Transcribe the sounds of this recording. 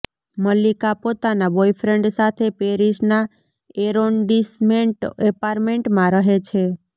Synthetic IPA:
məlikapot̪anabojfʰɾeɳɖsat̪ʰepeɾiʃna | eɾonɖismeɳʈepaɾmeɳʈmãɾəɦet͡ʃʰe

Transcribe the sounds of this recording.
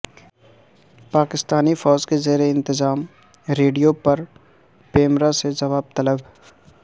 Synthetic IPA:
paːkɪst̪aːnifɔːd͡ʒkezeːɾeɪ̃nt̪ɪzaːm | ɾeːɖijopɐɾ | peːmɾased͡ʒɐʋaːb̚t̪ɐləb

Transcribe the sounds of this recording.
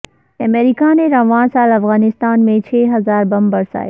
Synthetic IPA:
ɐmeːɾikanẽɾɐʋãːsaːlɐfɣaːnɪst̪aːnmẽt͡ɕʰeːɦɐzaːɾbɐmbɐɾsa̰ːḛ

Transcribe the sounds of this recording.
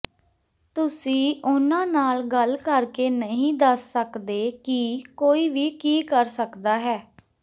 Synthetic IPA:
t̪ʊsĩːʔʊnãːnaːlɡəlkəɾkeːnəɦĩːd̪əsːəkd̪eːkikoːiːʋiːkiːkəɾsəkd̪aːɦɛː

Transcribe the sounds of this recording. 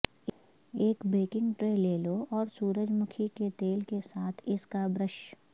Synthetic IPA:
eːkbeːkɪ̃ŋɡʈɾeːleːloɔːɾsuːɾəd͡ʒmʊkʰiket̪eːlkesaːt̪ʰɪskabɾəʃ

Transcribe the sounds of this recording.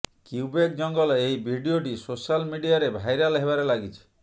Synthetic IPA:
kiubek̚d͡ʒɔŋɡɔlɔeibʱiɖioʈisosalmiɖijaɾebʱajɾalɦeβaɾelaɡit͡ʃʰi̥

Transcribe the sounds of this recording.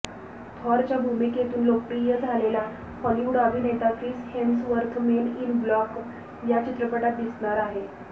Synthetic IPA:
t̪ʰɔɾt͡ɕjabʱumiket̪uːnlok̚ʈijəd͡zʱalela | pəliuɽab̪ʱiːnet̪akɾiːshensʋəɾkmeninblɔk | jat͡ɕit̪ɾəpəʈat̪̚d̪isɳaɾaɦe

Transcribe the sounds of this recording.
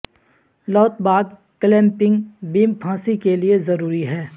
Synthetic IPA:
lɔːt̪baːd̪ | klɛ̃ːmpɪ̃ŋɡbiːmpʰãːsikeliezɐɾuːɾiɦɛː

